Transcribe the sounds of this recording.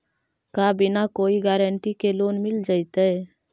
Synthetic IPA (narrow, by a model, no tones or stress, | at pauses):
kaːbɪnakoːiɡɛːɾəɳʈikeloːnmɪld͡ʒaːɪt̪eɛ